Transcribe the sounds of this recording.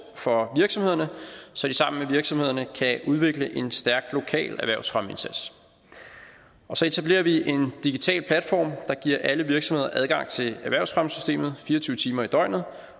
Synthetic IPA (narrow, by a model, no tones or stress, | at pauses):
fɒ̽ʋiɐɡ̥sɒ̽mhe̝ð̞̰ˠɐnəsɒ̽d̥isɑ̈m̰n̩meʋiɐɡ̥sɒ̽mhe̝ðˠɐnəkʰæʔuð̞ˠʋe̝ɡ̥ləʔe̝nsd̥æɐɡ̥̚lo̝kʰɛ̰ːlæʋæɐʊsfʁɶme̝nsæd̥s | ʔɒ̽sɒ̽e̝t͡sʰæb̥le̝̰ːɐʋiʔe̝nd̥iɡ̥it͡sʰɛ̰ːlpʰlæd̥fɒ̰ːmd̥ɑ̈ɡ̥iɐ̰ʔæləʋiɐɡ̥sɒ̽mhe̝ð̞ˠɐʔæð̞ˠɡ̥ɑ̈ŋ̰t͡sʰe̝læʋæɐʊsfʁɶməsy̥sd̥e̝̰ːmð̞̩ˠfiːɐt͡sʰyːʊət͡sʰiːmɐid̥ɒɪnð̩ˠ